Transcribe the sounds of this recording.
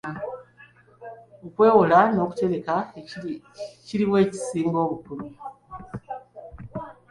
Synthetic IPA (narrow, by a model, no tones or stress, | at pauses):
okwe̞ːwolano̞ku̥te̞βe̞ka | ciɾiβweːci̥siːŋɡoːβukuɾu